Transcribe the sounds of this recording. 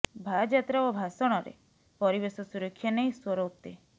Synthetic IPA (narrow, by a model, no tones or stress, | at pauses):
bʱad͡ʒat̪ɾaobʱasɔɽ̃ɔɾḛ | pɔɾibesɔsuɾɔkʰːjanejswɔɾɔwt̪e